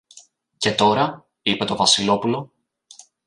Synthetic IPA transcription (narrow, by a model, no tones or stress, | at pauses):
ce̞t̪o̞ɾɐ | ipe̞t̪o̞vɐsilo̞pulo̞